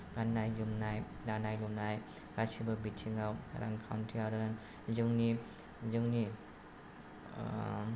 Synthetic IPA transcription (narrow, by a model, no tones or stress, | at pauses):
ɡanːajzɯmnaj | danajlumnaj | ɾasibɯbitʰːiŋawa̰ɾʔa̰ŋkʰawntʰiaɾɯn | zɯŋni | zɯŋni